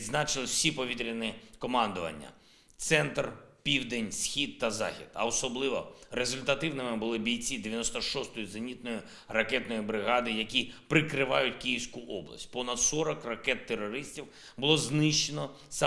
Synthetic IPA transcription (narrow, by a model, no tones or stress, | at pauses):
znɑt͡ʃenˠɔwsʲipɔʋʲit̪ɾʲinɪkɔmɑnd̪ʊʋɐ̰nʲːɐ̰ | t̪sɛnt̪rpʲiwd̪enʲsxʲid̪̚t̪ɐzɑ̰xʲid̪ɐ̰ɔsɔblˠɪʋɔ̰ɾezʊlʲt̪ɐt̪ɪwnɪmɪbʊlˠɪbʲijt͡sʲid̪eʋʲjɐnɔst̪ɔʃɔst̪ɔjʊzɐnʲit̪̚nɔjʊ | rɐkɛt̪nɔjibɾɪɦɑd̪ɪjɐkʲipɾɪkɾɪʋɑjʊt̚ʲkijiwsʲkʊʔɔblˠɐ̰sʲt̚ʲpɔnɐd̪sɔɾɔkrɐkɛt̪ːeɾɔɾɪsʲtʲiw | bʊlˠɔznɪʃt͡ʃenɔ | sɑ